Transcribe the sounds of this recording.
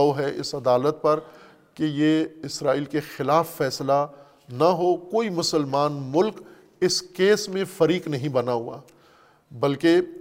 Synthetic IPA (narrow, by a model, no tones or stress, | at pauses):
oɦɛʔɪ̰sɐd̪aːlət̪̚pɐɾ | kejeɪsɾaːiːlkexɪlaːfːɛːsla | naɦokoːimʊsəlmaːnmʊlk | ɪskeːsmẽfɐɾiːqnɐɦĩbɐnaɦua̰ː | bɐlke